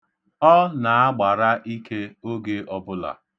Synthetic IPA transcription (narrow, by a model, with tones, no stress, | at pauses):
ɔ˦na˨a˦ɡ͡ba˨ɾa˦ʔi˦kʰe˦o˦ɡe˦ɔ˦bʊ˦la̰˨